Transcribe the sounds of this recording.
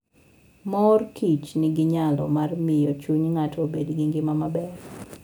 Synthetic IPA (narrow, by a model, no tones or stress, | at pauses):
mɔrkʰit͡ʃnɪɡɪɲalɔ̰marmɪjot͡ʃuɲŋatʰobedɡɪŋɡɪmamabɛr